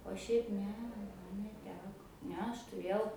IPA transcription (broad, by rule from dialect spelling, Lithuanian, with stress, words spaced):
oː ˈʃʲɛɪp ˈnʲɛ ˈmɐn nʲɛˈtʲæːkoː ˈnʲɛ ˈɐʃ tʊˈrʲeːjɛʊ